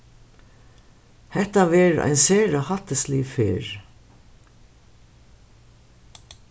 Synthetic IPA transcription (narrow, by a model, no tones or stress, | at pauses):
hɛt̪aʋɛːɾa̰jnsɛːɹahat̪əsliːfɪ̰ːɹ